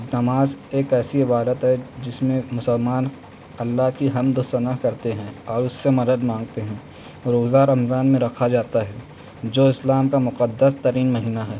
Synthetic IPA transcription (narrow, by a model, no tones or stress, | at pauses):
nɐmaːzeːkɛːsiɪbaːd̪ət̪ɦɛd͡ʒɪsmẽmʊsəlmaːn | ɐlːaɦkiɦɐmd̪osɐnəɦkɐɾt̪eɦɛ̃ːɔːɾʊsːemɐd̪əd̪mãːŋɡ̚t̪eɦɛ̃ː | ɾoːzaɾɐmzaːnmẽɾɐkʰad͡ʒaːt̪aɦɛː | d͡ʒoːɪslaːmkamʊqəd̪ːəst̪ɐɾiːnmɐɦiːnaɦɛː